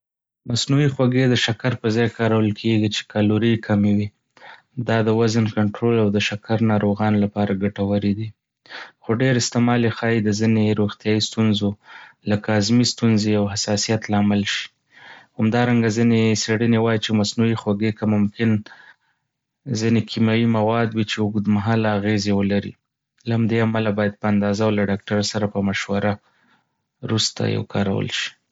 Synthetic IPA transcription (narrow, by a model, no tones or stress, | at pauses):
masnuixwaɡed̪əʃakaɾpəzɑjkɑɾawəlkʰeɡit͡ʃe̥kɑloɾikʰamewi | d̪ɑd̪əwazənkaɳʈɾolawd̪əʃakaɾnɑɾoɣɑnlapɑɾaɡaʈawaɾid̪i | xoɖeɾɪst̪ɪmɑlexɑjid̪əzineɾoxt̪jɑist̪unzolakazmist̪unzejawɦasɑsijat̪lɑmɪlʃi̥ | hamd̪ɑɾaŋɡazineseɽənewɑjit͡ʃemasnujixwaɡekamʊmkɪn | zinekʰimɑjimawɑd̪wit͡ʃeʊɡud̪maɦɑlːɣezewəlaɾḭ | lahamd̪eamalabɑjad̪̚pəand̪ɑzawlaɖɑk̚ʈaɾasaɾapəmaʃwaɾa | ɾust̪a̰ja̰wkʰɑɾa̰wə̰lʃi̥